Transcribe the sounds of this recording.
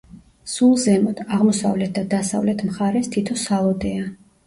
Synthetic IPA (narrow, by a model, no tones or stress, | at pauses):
sulˠzɛmɔd̪̥aʁmɔsa̰vlɛt̪̚ʰd̪ad̪asa̰vlɛt̪ʰmχaɾɛst̪ʰit̪ʰɔsalˠɔd̪ɛa